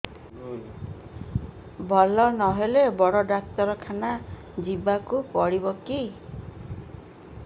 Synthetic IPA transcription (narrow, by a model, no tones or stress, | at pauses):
bʱɔlɔnɔɦelebɔɽɔɖak̚t̪ɔɾɔkʰana | d͡ʒibakupɔɽibɔki